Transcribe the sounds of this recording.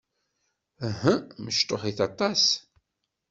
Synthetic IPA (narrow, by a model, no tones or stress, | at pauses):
ɦəməʃt̪ˤoħiθɑt̪ˤɑs